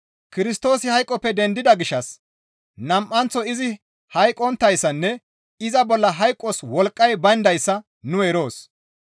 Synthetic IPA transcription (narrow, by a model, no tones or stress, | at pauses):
kɪɾɪst̪o̞ːsɪhɐjkʼːɔpːɛd̪ɛnd̪ɪd̪ɐɡɪʃːɐs | nɐmʔɐnt͡sːɔɪzɪ | hɐjkʼɔnt̪ːɐjsːɐnːɛ | ɪzɐbɔlːɐɦɐjkʼːɔswɔlkʼːɐjbɐnd̪ɐjsːɐ | nʊeɾo̞ːs